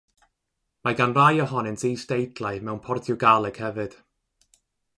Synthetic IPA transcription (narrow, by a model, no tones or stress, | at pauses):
maɡanrajɔɦɔnɨnsijsd̥ejdlˠajmɛwnpʰɔrtʰjʊɡalˠɛɡ̥hɛvɨd̥